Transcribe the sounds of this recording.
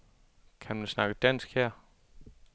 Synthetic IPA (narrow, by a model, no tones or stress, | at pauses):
kʰænmænsnɑ̈ɡ̥əd̥æn̰sɡ̥hɛɐ̰